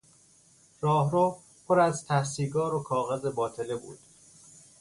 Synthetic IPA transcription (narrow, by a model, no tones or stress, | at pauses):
ɾɒːhɾoː | pʰoɾæzt̪ʰæhsiːɡɒːɾokʰɒːɣeze̞bɒːt̪ʰe̞le̞bṵːd̪̥